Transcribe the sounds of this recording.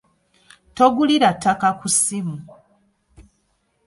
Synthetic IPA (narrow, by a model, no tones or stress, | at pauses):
to̞ɡuliɾatːakakusimu